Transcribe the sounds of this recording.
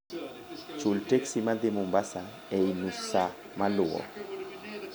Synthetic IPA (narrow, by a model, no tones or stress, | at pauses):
t͡ʃultɛksimad̪emumbasa | ɛinusa | maluɔ̰